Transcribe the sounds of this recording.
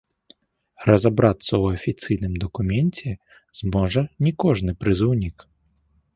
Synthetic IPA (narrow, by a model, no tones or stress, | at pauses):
rɐzabɾat̪sːɐwɐfʲit̪sɨjnɨmd̪ɐkumʲɛnʲt͡sʲɛ | zmɔʐɐnʲikɔʐnɨpɾɨzɨwnʲik